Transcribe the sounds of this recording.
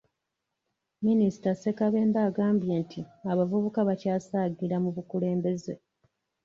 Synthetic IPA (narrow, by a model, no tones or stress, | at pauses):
minisi̥tase̞kaβe̞ːmbaːɡaːmbje̞ːntʰiaβavuβukaβacaːsaːɡiɾamuβukule̞ːmbe̞ze